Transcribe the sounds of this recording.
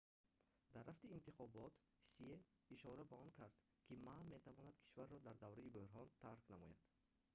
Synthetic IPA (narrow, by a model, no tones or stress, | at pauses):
d̪aɾːaft̪iːnt̪iχɔbɔt̪ | sie | iʃɔɾabaɔnkʰaɾd̪ | kʰimamet̪ʰavɔnad̪kʰi̥ʃvaɾːɔd̪aɾd̪avɾɛibøɾɦɔnt̪ʰaɾknamɔja̰d̪̥